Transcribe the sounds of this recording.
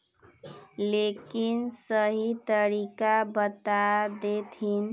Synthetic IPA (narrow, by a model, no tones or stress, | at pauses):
lekinsəɦit̪əɾikabət̪ad̪et̪ʰin